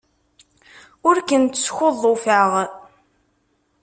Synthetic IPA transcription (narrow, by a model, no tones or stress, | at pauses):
ʊɾkənt̪sçoðˤːofəʁ